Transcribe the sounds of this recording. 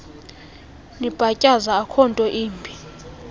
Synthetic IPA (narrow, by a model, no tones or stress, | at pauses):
nib̥ʱacʼazaːkʰɔntʼɔʔiːmbʱi